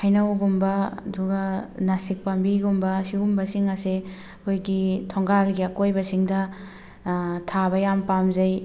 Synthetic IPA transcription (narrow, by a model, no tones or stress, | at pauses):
hɐjnɐwɡumbɐɐ̰duɡɐnɐsik̚pambiɡumbɐːsiɡumbɐsiŋɐse | ɐkʰojɡitʰoŋɡalɡiɐkojbɐsiŋdɐ | tʰabɐjampamzɐj